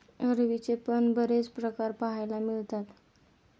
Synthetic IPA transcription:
əɾʋit͡sepənbəɾet͡spɾəkaɾpaɦajlamiɭt̪at̪

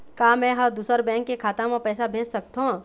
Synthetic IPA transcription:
kaːmɛ̃ɦəd̪uːsəɾbɛ̃ːŋkːekʰaːt̪ãmẽpɛːsabʱeːd͡ʒsəkt̪õ

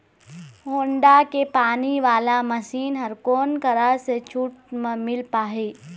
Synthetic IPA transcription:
ɦoːɳɖakepaːniʋaːlamɐsiːnɦɐɾkoːnkɐɾaset͡ʃʰuːʈ̚mmɪlpaːɦeː

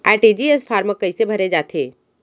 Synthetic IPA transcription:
aːʈiːd͡ʒiesfʰaːɾməkːəisebʱɐɾed͡ʒaːt̪ʰeː

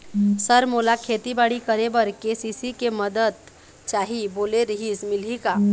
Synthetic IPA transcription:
səɾmolakʰeːt̪ibaːɽikəɾebəɾkesisikeməd̪əd̪̚ | t͡ʃaːɦiboːleɾəɦismɪlɦikaː

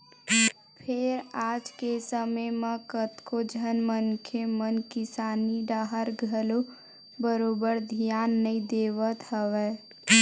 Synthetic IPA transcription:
pʰeɾaːd͡ʒkesəməjmə̃kət̪kod͡ʒʱənmənkʰemənkɪsaːniɖaɦəɾɡʱəlo | bəɾoːbəɾd̪ʱijaːnːəĩd̪eʋət̪ɦəʋɛ

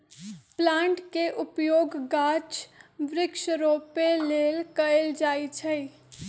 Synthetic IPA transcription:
plãːɳʈkeʔʊpjoːɡɡaːt͡ʃʋɾɪkʃəɾoːpeleːlkɐld͡ʒaːit͡ʃʰɛi

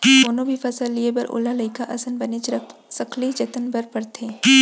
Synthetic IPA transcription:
oːnõbʱifɐsəlːiebɐ̰ɾʔo̰ːlalɐɪkaʔɐsənbɐnet͡ʃəsɐkʰlid͡ʒɐt̪ənbəɾpɐɾt̪ʰeː

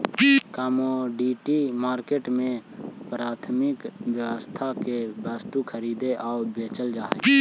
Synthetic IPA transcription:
kaːmoɖiːʈimaːɾkeːʈmẽpɾaːt̪ʰmɪkbjəwəst̪ʰakebaːst̪ukʰəɾiːd̪eʔaːbeːt͡ʃəld͡ʒaː

